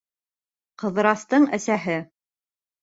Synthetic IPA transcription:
qɤ̆ð̆ɾɑst̪ɤɴæsæɦɘ

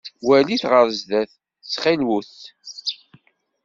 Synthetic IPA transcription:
wæliθʁəɾzðæθ | t͡sːχilwuθ

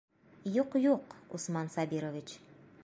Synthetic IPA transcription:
juqjuqṵsmɑnsɑbiɾovʲit͡ɕ

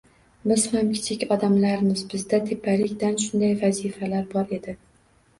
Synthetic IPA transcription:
bɪz̥hamkʲʰɪ̥t͡ʃʰɪkʲɒd̪amlaɾɪmɪzbɪzd̪at̪ʰepʰːalɪkʲd̪anʃʊnd̪ajvazifalaɾbɒɾe̞d̪ɪ

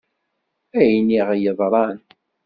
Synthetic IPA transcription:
æjniʁjəðˤɾˤɑn

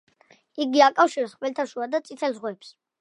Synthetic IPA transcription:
iɡiakʼafʃiɾɛsχwɛlt̪ʰaʃuad̪at̪sʼit̪ʰɛlzʁwɛps

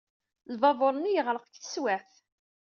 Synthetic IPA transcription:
lvɑvoɾˤnːijəʁɾəqə̥kθə̥swæθ

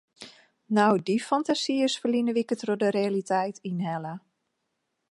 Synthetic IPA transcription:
nawdifɔntasiəsfəlinəʋikətrodəɾealitʰɛjtʰinhɛlə

